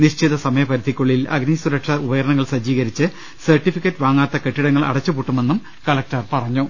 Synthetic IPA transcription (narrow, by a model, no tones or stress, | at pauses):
niɕt͡ɕiðɐsɐmɐjɐpɐɾid̪ʱikʲːoɭːilɐ̰ɡnisuɾɐkʂɐubɐjɐɾɐɳɐŋːɐɭsɐd͡ʑiːɣɐɾit͡ɕːɨ | sɐrʈifikʲːɐtːʋaːŋːaːt̪ːɐke̞ʈːiɽɐŋːɐɭʔɐ̰ɽɐt͡ɕːɨpuːʈːume̞nːum | kɐlɐk̚tɐrpɐrɐɲːu